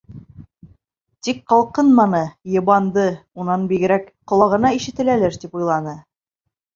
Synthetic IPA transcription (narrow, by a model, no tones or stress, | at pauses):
t̪ikqɑlˠqɤnmɑnɤjɤ̆βɑnd̪ɤunɑnbiɡɘ̆ɾækqŏlˠɑʁɤ̆nɑiʃɘ̆t̪ɘ̆lælɘɾt̪ipujlˠɑnɤ